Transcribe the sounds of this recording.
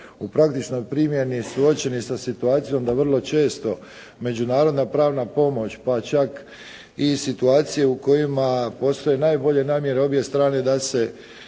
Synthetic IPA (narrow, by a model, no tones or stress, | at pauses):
upɾak̚t̪it͡ʃno̞jpɾiːmje̞nisuo̞t͡ɕe̞nisasit̪uaːt̪sijo̞md̪aʋr̩lˠo̞t͡ʃe̞ːst̪o̞ | me̞d͡ʒunaːɾo̞d̪napɾaːʋnapo̞mo̞t͡ɕpat͡ʃak | isit̪uaːt̪sije̞uko̞jimapo̞ːst̪o̞je̞naːjbo̞ʎe̞naːmje̞ɾeo̞bje̞st̪ɾaːne̞d̪ase̞